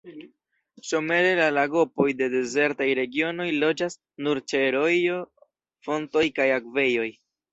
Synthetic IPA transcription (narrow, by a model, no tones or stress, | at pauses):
ʃo̞me̞ɾe̞lalaɡo̞po̞jde̞de̞ze̞ɾtajɾe̞ɡio̞no̞jlo̞d͡ʒas | nuɾt͡ʃeɾo̞jo | fo̞nto̞jkajakve̞jo̞j